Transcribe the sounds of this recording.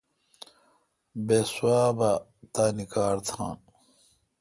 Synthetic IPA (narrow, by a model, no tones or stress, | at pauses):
beswaːba | t̪aːnikaːɾt̪ʰa̰ːn